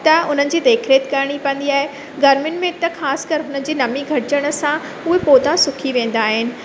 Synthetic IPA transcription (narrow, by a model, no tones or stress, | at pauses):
t̪ɐʊn̤ənɪ̆d͡ʑiːd̪eːkʰɾeːt̪kɐɾɽ̃ipɐ̃n̆d̪iaːɦe | ɡɐɾmɪnmẽt̪ɐxaːsɪ̥kɐɾɪɦʊnənɪ̆d͡ʑiːnɐmiɡʱɐɾɪd͡ʑəɽ̃ə̆sã | ʊɦepoːd̪asʊkʰiʋẽːn̆d̪aːɦɪnɪ̆